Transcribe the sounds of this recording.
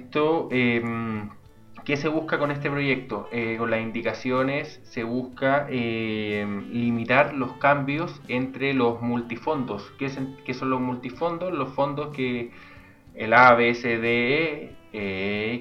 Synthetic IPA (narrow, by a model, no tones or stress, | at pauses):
t̪oem | kese̞βuhkakonest̪epɾo̞je̞k̚t̪oʔeko̞nlasind̪ikasjo̞ne̞sːeβuskaemlimit̪aɾlo̞skambjo̞se̞nt̪ɾelozmult̪ifo̞nd̪oskesekeso̞nlozmult̪ifo̞nd̪o̞slo̞sfo̞nd̪o̞skeː | laβeseðe | e